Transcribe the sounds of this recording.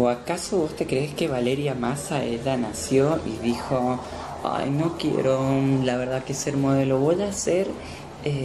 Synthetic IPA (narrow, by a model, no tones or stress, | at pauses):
oakasoβost̪e̞kɾeeske̞βale̞ɾjamasaḛʎanasjoiðixo | a̰jnokjḛɾolaβe̞ɾðakeseɾmoðe̞loβo̞ʝase̞ɾ | e